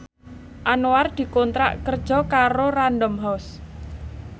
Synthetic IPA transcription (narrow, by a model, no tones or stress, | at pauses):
ʔanoard̪̥i̤kont̪ɾa̰ʔkərd̥ʒ̥ɔ̤kaɾoranɖɔmɦɔs